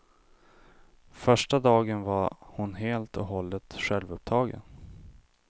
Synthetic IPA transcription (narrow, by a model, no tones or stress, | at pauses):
fœʂʈad̪ɑːɡənvahʊnɦeːlt̪ʰɔɦɔlːət̪ɧɛlvɵp̚t̪ʰɑːɡə̰n